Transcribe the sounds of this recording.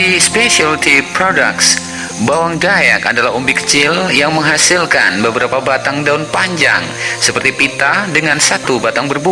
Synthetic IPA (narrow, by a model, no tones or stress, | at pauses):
ispeʃalt̪ipɾoda̰ks | bawaŋdaja̰ka̰dalaɦumbikə̥t͡ʃɪljaŋməŋɦasilka̰nbəbəɾapabat̪aŋdaunpaɲd͡ʒa̰ŋsəpərt̪ipit̪adəŋansat̪ubat̪aŋbərbu